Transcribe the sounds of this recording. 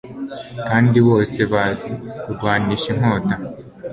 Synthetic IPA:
kaːndiwoːse̞βazikudwaːniʃiŋ̥oːta

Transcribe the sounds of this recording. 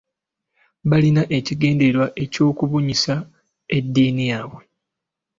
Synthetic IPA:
βalinaʔe̞ciɡe̞ːnde̞ɾwaʔe̞co̞ːkuβuɲisa | edːiːnijaːβwe̞

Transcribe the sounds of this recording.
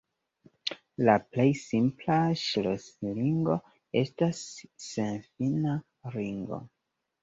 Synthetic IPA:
laple̞jsimplaʃelosliŋɡo̞ | e̞stasːenfina | ɾiŋɡo̞̰

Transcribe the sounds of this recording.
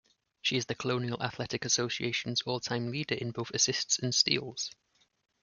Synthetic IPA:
ʃiɪzðəkʰəlõʊniəlʔa̰θlɛtɪkəsoʊsieɪʃə̃nz̥ɔːlˠtʰãɪ̃mliːdəɹʔɪ̃nboʊθəsɪstsə̃nstḭːlˠz̥

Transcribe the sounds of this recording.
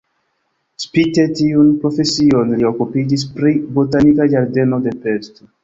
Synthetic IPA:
spite̞tiunpɾo̞fe̞sio̞nlio̞kupid͡ʒis̬pɾibotanikad͡ʒaɾde̞no̞de̞pe̞sto̞

